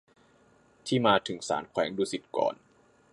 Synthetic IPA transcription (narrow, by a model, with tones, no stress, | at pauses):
t̪ʰiː˥˩maː˧t̪ʰɯ˩˦ŋsa̰ː˩˦nkʰwɛː˩˦ŋduː˧si˨˩t̪̚kɔ̰ː˨˩n